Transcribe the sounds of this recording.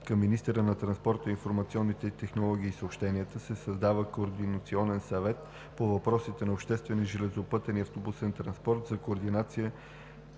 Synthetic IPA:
kɐmːinist̪ɛɾənɐt̪ɾɐnspɔɾt̪əinfoɾmɐt̪siɔnːit̪ɛt̪ɛxnolˠɔɡ̟iːsəopʃt̪ɛniət̪əsɛsɐzd̪avəkoːɾd̪inɐt̪siɔnɛnsɐvɛt̪ | povɐpɾɔsit̪ɛnɐopʃt̪ɛst̪vɛniʒɛlɛzopɤt̪ɛniɐft̪obusɛnt̪ɾɐnspɔɾt̪zɐkoːɾd̪inat̪siə

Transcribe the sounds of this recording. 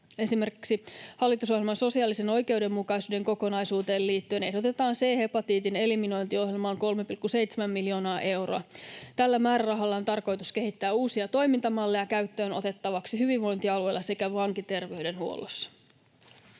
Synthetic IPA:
e̞sime̞rki̥ksihɑlːit̪uso̞hjilmɑnso̞siɑːlːise̞no̞jke̞wde̞mːukɑjsuːde̞ŋko̞ko̞nɑjsuːt̪e̞ːlliːt̪ːyø̞ne̞ɦdo̞t̪e̞t̪ɑːnse̞ːhepɑt̪iːt̪ine̞limino̞jnt̪io̞ɦjilmɑoŋko̞lme̞pilkːuse̞jt̪semæmːilio̞ːnɑːʔe̞wro̰ɑ̰t̪ælːæmæːɾærɑɦɑlːɑont̪ɑrko̞jt̪usk̟e̞ɦit̪ːæːuːsiɑt̪o̞jmint̪ɑmɑlːejɑkæyt̪ːøːno̞̰t̪e̞t̪ːɑʋɑksiɦyʋiʋʋo̞jnt̪iɑlue̞jlːɑse̞kæʋɑŋkit̪e̞rʋe̞yde̞nhuo̰lːo̰sːɑ̥

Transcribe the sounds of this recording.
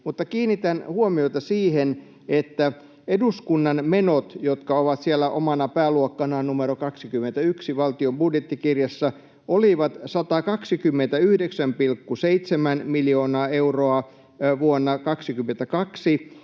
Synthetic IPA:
mut̪ːɑkiːnːit̪ænhuomioit̪ɑsiːhen | et̪ːæ | eduskunːɑnmenot̪jot̪kɑoʋɑt̪siælːæʔo̰mɑnɑpæːluokːɑnɑːnnumeɾokɑksikymːent̪æyksiʋɑlt̪iombudjet̪ːikirjɑsːɑ | ʔoliʋɑt̪sɑt̪ɑkɑksikymːent̪æyhdeksæmpilkːuseit̪semænmiljoːnɑːeuroɑ | ʋuonːɑkɑksikymːent̪ækɑksi

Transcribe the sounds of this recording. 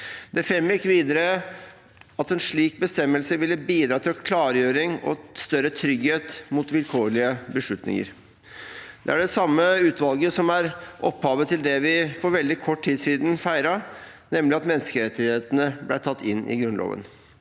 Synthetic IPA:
d̪̥ɛfɛməjɪkːʋiːd̪əɾə | ɑt̪ɛnʂɭiːk̚bəst̪ɛmːəlsəʋɪlːəbiːd̪ɾɑːt̪ʰɪlkʰlɑːɾjøːɾɪŋɔ̰st̪œɾət̪ʰɾʏɡheːt̪mʊt̪ʋɪlkʰoːɾɭɪəbəʂɭʉt̪nɪ̰ŋə̰ɾ | d̪̥ɛ̰æɖɛsɑmːəʉːt̪ʋɑlˠɡəsɔmæɾʔɔphɑːʋət̪ʰɪld̪ɛʋɪfɔɾʋɛld̪ɪkʰɔʈːʰiːd̪siːd̪n̩fæɪɾɑnɛmlɪɑt̪mɛnskəɾɛt̪ːɪheːt̪ənəblæɪʈʰɑt̪ːɪnːʔɪ̰ɡɾʉnlo̰ːʋə̰n

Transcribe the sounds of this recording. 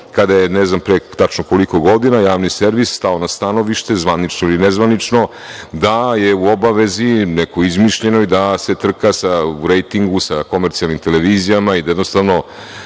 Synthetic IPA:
kad̪ajenɛznampɾet̪at͡ʂnokoliko̞ɡo̞d̪inajaːʋniseɾʋisst̪aonast̪anoʋiʃt̪e̞zʋanit͡ʂnoilinezʋanit͡ʂno̞ | d̪ajeuobaʋe̞zinɛko̞izmiʃʎe̞no̞id̪ase̞t̪r̩kasauɾejt̪iŋɡusako̞meɾt̪sialnimt̪eleʋiːzijamaid̪ajed̪nost̪aʋno̞

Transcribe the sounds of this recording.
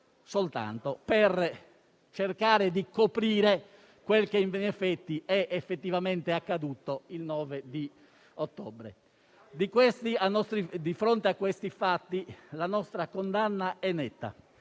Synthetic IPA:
solt̪a̰nt̪oper | t͡ʃerkaːɾed̪ikopɾiːɾe | kwelkeiɱvinɛfɛt̪ːiɛʔefːet̪ːivament̪eakːad̪uːt̪oilnɔːved̪i | ot̪ːɔ̰ːbɾḛ | d̪ikwest̪ianɔst̪ɾid̪ifɾont̪eakːwest̪ifat̪ːilanɔst̪ɾakond̪anːaɛnːɛt̪ːa̰

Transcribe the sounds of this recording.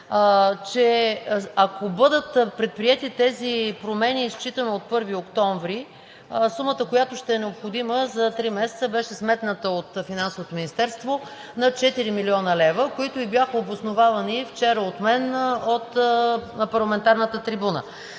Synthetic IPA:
t͡ʃɛ | akobɤd̪ət̪pɾɛt̪̚pɾiɛt̪it̪ɛzipɾomɛnist͡ʃit̪ənoot̪̚pɤɾviokt̪ɔɱvɾi | sumət̪əkojat̪oʃt̪ɛɛnɛopxod̪iməzɐt̪ɾimɛsɛ̥t̪səbɛʃɛsmɛt̪nət̪əot̪finansovot̪ominist̪ɛɾst̪vo | nɐt͡ʃɛt̪iɾimiliɔnəlɛvəkoit̪oibʲjaxəobosnovavɐnift͡ʃɛɾəot̪mɛnot̪ | pɐɾlˠɐmɛnt̪aɾnət̪ət̪ɾibunə̰

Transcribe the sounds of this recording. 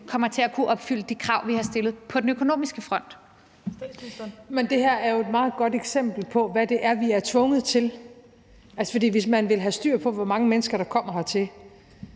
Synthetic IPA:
kʰɒ̽m̰ɐt͡sʰe̝ækʰuʔɒ̽b̥fyl̰əd̥ikʰʁɑ̈ʊ̰ʋihɑ̈sd̥e̝lð̩ˠpʰɒ̽d̥enøkʰo̝no̝̰ːmisɡ̥əfʁɒ̽n̰d̥ | mend̥e̝hæɐ̰æɐjo̝e̝d̥mɑ̈ːð̞̩ˠɡ̥ɒ̽d̥eɡ̥sem̰b̥l̩pʰɒ̽ʋæd̥e̝ʔæɐʋiæɐt͡sʰʋɔ̽ŋəð̩ˠt͡sʰe̝l | ʔælsə̥fɒ̽dḭːʋe̝smænʋe̝lɦæsd̥y̰ɐ̰pʰɒ̽ʋɒmɑ̈ŋəmenəsɡ̥ɐɾ̥ɑ̈kʰɒ̽m̰ɐhɑ̈t͡sʰe̝l

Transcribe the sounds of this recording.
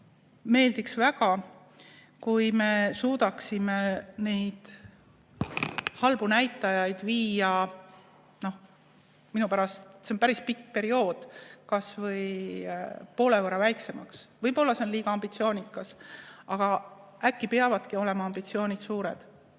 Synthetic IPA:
me̞ːld̪iksvæɡ̥ɑ | kujme̞suːd̪̥ɑksime̞ne̞jd̪̥ | hɑlb̥unæjt̪ːˑɑjɑjd̪̥viːɑ | no̞h | minupæɾɑst̪se̞onpæɾispikːpe̞ɾio̞ːd̪̥kɑsvɤj | po̞ːle̞voɾɑvæjkse̞mɑksvɤjbo̞lːɑse̞onliːɡ̥ɑɑmb̥it̪sio̞ːnʲikːˑɑsɑɡ̥ɑʔækːipeɑvɑd̪̥kio̞le̞mɑɑmbit̪sioːnʲid̪suːɾe̞̰d̪̥

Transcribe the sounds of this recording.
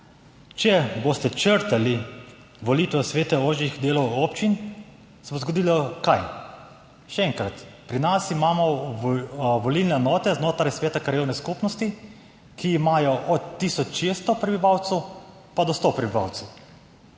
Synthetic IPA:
t͡ʃɛbost̪ɛt͡ʃəɾt̪ali | ʋɔliːt̪ʋɛsʋeːt̪ɛoːʒixd̪eːlɔwoːpt͡ʃin | sɛbozɡɔd̪iːlɔkaj | ʃɛɛŋkɾat̪pɾinasimaːmɔ | ʋɔlilnɛnɔːt̪ɛznoːt̪ɾajsʋeːt̪akɾajewnɛskupnɔst̪i | kiːmaːjɔʔɔt̪ːisɔt͡ʃʃest̪ɔpɾɛbiʋawt̪sɛw | pad̪ɔst̪opɾɛbiʋa̰wt̪sɛw

